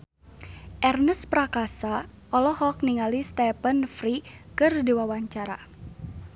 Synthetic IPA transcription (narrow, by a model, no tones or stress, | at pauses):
ʔɛrnəspɾakasa | ɔlɔhɔk̚niŋalist̪ɛpənfɾikɨrdiwawaɲt͡ʃaɾa̰